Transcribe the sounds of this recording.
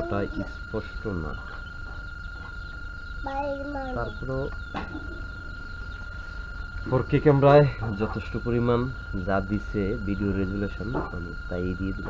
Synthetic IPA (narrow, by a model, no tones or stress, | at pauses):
ʈaʔispɔʃʈona̰ | bajmat̪aɾpɔɾo | poɾkekɛmɾaed͡ʑɔt̪ʰeʃʈopoɾiman | d͡ʑad̪isebiɖioɾeɡuleʃona̰nit̪ajd̪ied̪il